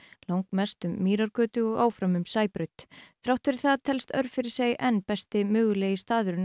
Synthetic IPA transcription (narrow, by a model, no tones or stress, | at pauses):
lawŋkmɛst̪ʏmːiːɾaɾkœːt̪ʏɔɣa̰ːwfɾamʏmsaːjpɾœɥt̪θɾawht̪ɪɾɪ̥θaðt̪ʰɛlst̪œ̰ɾfɪɾɪ̥ɾ̥sejɛnːpɛst̪ɪmʏːɣʏleːjɪst̪aːðʏɾɪn